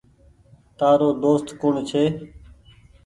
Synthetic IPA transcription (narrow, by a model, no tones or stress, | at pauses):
t̪aːɾoːd̪oːst̪kʊɳt͡ʃʰeː